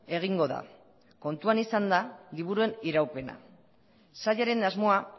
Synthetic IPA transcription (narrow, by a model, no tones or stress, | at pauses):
e̞ɣ̞iŋɡo̞ða̰ | ko̞nt̪uanisand̪aliβuɾue̞niɾawpe̞na̰ | saʎaɾe̞nazmo̞a